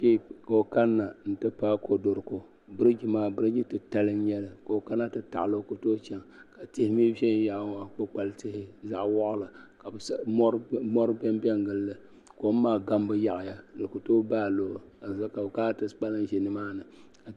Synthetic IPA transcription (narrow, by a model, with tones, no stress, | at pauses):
ke˦˨ko˨o˨ka˦nːa˨n̩˨tɨ˦paː˦kʰo˨do˨ɾko˦ | bɨ˦ɾɨ˦d͡ʒi˦maː˦bɨ˦ɾɨ˦d͡ʒi˦tɨ˦ta˦lɨ˦n˦jɛ˦lɨ˦ko˨o˨ka˦nːa˦tɨ˦ta̰˨ʔlo˦ko˨toː˦t͡ʃɛ˦ŋka˨te˦hɪ˦mi˦bɛ˦ja˨ʔŋa˦k͡po˦k͡pa˨ltɪ˦hɪ˦za˨ʔwɔ˦ʔʊ˦la˨ka˨bsmɔ˦ɾɨ˦bɛ˦mbɛ˦ŋɡɨ˦lːɨ˦ | ko˨˦m̩˦maː˦˨ɡa˦mbɨ˦ja˦˨ʔɪ˨ja˦lɨ˨ko˨toː˦baː˦˨lo˨a˨za˦ka˨bkaː˦tɨ˦sk͡pa˦lɨ˦nʒɛ˨nɨ˦maː˦nɨ˨ka˨